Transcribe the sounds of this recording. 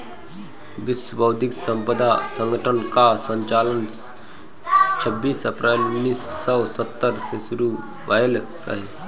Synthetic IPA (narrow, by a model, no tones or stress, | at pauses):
ʋɪsəbʱəwd̪ʱɪksə̃mpəd̪ʱasə̃ŋɡəʈʰənkasə̃ɲt͡ʃaːlən | t͡ʃʰəbːiːsəpɾɛːlʊnːiːsːəwsət̪ːəɾsesʊɾu | ʋajəl | ɾə̰ɦeː